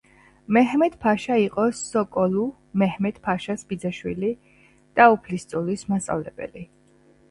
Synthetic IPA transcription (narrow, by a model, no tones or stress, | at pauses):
mɛɦmɛd̪pʰaʃaiqʼɔsɔkʼɔlu | mɛhmɛd̪̥pʰaʃasbid̪zaʃwḭli | d̪̥aupʰlist̪sʼulismast̪sʼa̰vlɛb̥ɛ̰li